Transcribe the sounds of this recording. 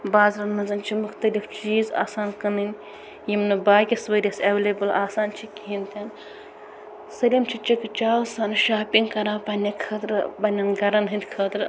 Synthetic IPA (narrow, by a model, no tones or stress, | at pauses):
baːzɾɐnmɐnzɐnt͡ʃʰimuxt̪ɐlift͡ʃiːza̰ːsaːnkɐnɨnʲ | jimnɨbaːkʲisʋɐɾʲɐsɐʋelebɨlaːsaːnt͡ʃʰikʲiint̪ʰʲaːn | sɐlʲimt͡ʃʰit͡ʃikɨt͡ʃaːsaːnʃaːpiŋɡkɐɾaːpɐnʲɐkʰɐːt̪ɾɨpɐnʲɐnɡɐɾɐnɦɨnd̪ʲkʰɐːt̪ɾ